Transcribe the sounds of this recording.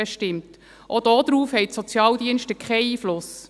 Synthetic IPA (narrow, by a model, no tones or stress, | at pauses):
ɛʃtɪmt | ʔod̥ɔd̥ɾuːfhɛɪtsɔt͡sjɑːldiənʃtəkʰχɛɪiːflʊs